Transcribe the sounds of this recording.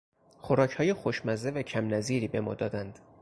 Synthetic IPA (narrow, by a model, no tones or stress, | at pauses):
xoɾɒːcʰhɒːje̞xoʃmæzevæcʰæmnæziːɾiːbe̞mɒ̰ːd̪ɒːd̪ænd̪̥